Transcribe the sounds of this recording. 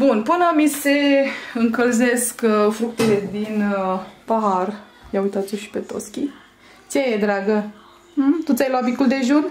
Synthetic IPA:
bunpɨnamiseɨŋkəlze̞skfɾukt̪ele̞d̪inpaɦar | jaujt̪at̪soʃi̥pet̪o̰skʲi | t͡ʃejed̪ɾaɡə | t̪ut̪sʲajloabikuld̪e̞ʒun

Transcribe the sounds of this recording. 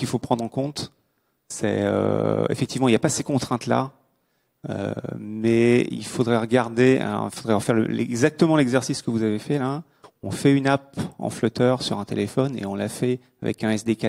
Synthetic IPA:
kilfopχɑ̃d̪ʁɑ̃kɔ̃t̪ | sɛ̰ø̰ḛfɛk̚t̪ivmɑ̃iljapasekɔ̃t̪χɛ̃t̪la̰ | ø̰mɛḭlfod̪ʁɛʁəɡaʁd̪ḛifod̪ʁɛɑ̃fɛʁlə̰lɛ̰ɡzak̚t̪əmɑ̃lɛɡzɛʁsiskəvuzavefɛla | ɔ̃fɛynap̚ɑ̰̃flœt̪œʁsyʁɛ̃t̪elefɔnḛɔ̃lafɛ | a̰vɛ̰kɛ̃ɛsd̪eka

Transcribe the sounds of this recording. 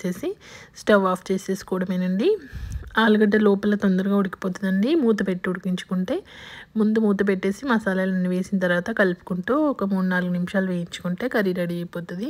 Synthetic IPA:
e̞ːsisʈɐʋaːpʰt͡ʃe̞ːse̞ːskɔːɽɐmeːnɐɳɖiaːluɡɐʈːɐlɔːpɐlɐt̪ond̪ɐɾuɡaːuɽiki̥poːt̪unɐɳɖimuːt̪̬ɐpeʈːiuɽikiɲt͡ʃu̥kuɳʈe̞ːmund̪umuːt̪ɐp̬eʈːe̞ːsimɐːsaːlɐlɐniʋe̞ːsint̪ɐɾʋaːt̪ɐkɐlipu̥kuɳʈuːɔkɐmuɽunaːluɡunimiʃaːluʋeːjiɲt͡ʃu̥kuɳʈe̞ːkɐɾiɖɐɽiɐjpoːt̪ud̪i

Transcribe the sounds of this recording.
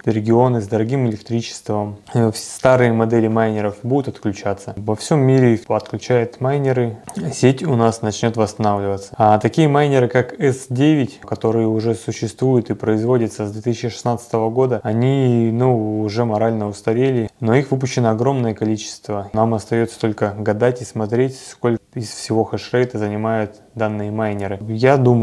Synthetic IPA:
ɾʲɪɡʲɪo̞nɨzd̪əɾɐɡʲimɪlʲɪkt̪ɾʲit͡ɕɪ̥st̪vəmfst̪aɾɨjəmɐd̪ɛlʲɪmajnʲɪɾəfbud̪ʊt̪ɐt̪klʲʉt͡ɕat̪səvɐfsʲo̞mʲːiɾʲɪɐt̪klʲʉt͡ɕæjʊt̪majnʲɪɾɨsʲetʲʊnasnɐt͡ɕnʲot̪vəst̪ɐnavlʲɪvət̪sə̥at̪ɐkʲijəmajnʲɪɾɨkakɛsdʲevʲɪtʲkɐt̪o̞ɾɨjəʊʐɛsʊɕːɪst̪vujʊt̪ɨpɾəɪzvo̞dʲɪt̪səzd̪vʲet̪ɨsʲɪt͡ɕɪʂɨ̥snat̪sɨ̥t̪əvəɡo̞d̪əɐnʲinuʊʐɛmɐɾalʲnəʊst̪ɐɾʲelʲɪno̞ixvɨp̬ʊɕːɪnəɐɡɾo̞mnəjəkɐlʲit͡ɕɪ̥st̪vənamɐst̪ɐjot̪sə̥t̪o̞lʲkəɡɐd̪atʲɪsmɐt̪ɾʲetʲsko̞lʲɪsfsʲɪvo̞xəʂrɛjt̪əzənʲɪmajʊt̪ | d̪anːɨjəmajnʲɪɾɨjad̪um

